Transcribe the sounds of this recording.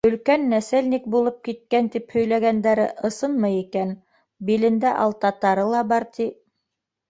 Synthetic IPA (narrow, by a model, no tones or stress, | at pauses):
ɵ̆lkænːæsælnik̚bulˠɤp̚kit̪̚kænt̪iphɵ̆jlæɡænd̪æɾɘ̰ʔɤ̆sɤnmɤjikæn | bilɘ̆nd̪æʔɑ̰lˠt̪ɑt̪ɑɾɤlˠɑbɑɾt̪ʰi